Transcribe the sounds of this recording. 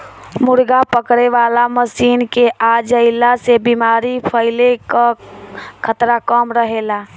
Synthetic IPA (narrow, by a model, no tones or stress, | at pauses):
mʊɾɡapəkɾeʋaːlaməsiːnkeʔaːd͡ʒəɪlasebimaːɾipʰəɪleka | kʰət̪ɾakəmɾəɦela